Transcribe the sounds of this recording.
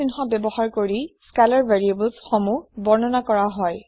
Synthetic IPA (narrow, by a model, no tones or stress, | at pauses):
inxɔbjɛbɔhaɹkoɹiskalɔɹvaɹiebəlzxomubɔɹnɔnakɔɹaɦɔj